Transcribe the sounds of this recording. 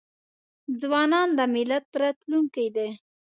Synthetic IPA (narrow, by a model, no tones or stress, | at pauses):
d͡zwɑnɑnd̪əmɪlat̪ɾat̪luŋkajd̪e